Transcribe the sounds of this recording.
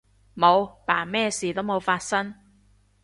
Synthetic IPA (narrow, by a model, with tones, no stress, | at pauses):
mo˨˧wpaː˨˩mɛː˥siː˨˩t̪o˥wmo˨˧wfaː˧t̚sɐ˥ŋ